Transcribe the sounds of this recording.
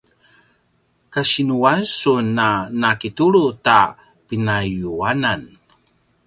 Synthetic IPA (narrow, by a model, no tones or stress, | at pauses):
kaɕinuansunanakituɾuta | pinajuanan